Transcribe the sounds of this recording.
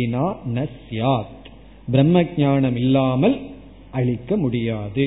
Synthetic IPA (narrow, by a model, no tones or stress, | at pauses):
ɪnaːnɐsjaːt̪ | bɾɐmːɐɡ̚ɲaːɳɐmɪlːaːmɐl | ʔɐɻɪkːɐmʊɽɪjaːðɯ